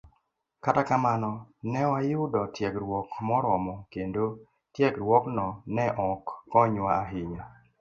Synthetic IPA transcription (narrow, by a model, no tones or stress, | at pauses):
katakamanɔnɛwajʊdɔtjɛɡɾwɔkmɔɾɔmɔkendo | tjɛkɾwɔknɔnɛʔɔkːɔɲwaaɦɪɲa